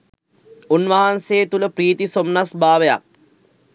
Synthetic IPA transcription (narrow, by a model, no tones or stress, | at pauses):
unʋaɦanseːt̪uləpɾiːt̪isomnasbʱaːʋeja̰k̚